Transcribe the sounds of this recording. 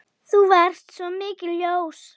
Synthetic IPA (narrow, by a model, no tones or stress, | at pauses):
θuvɛr̥t̪sɔmɪːcɪljows